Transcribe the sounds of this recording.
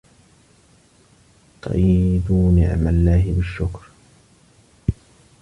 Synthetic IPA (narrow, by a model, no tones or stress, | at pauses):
t̪ˤɑ̰ʔjd̪uːnɪ̰ʕmalːaːɦɪbɪʃːʊkɾ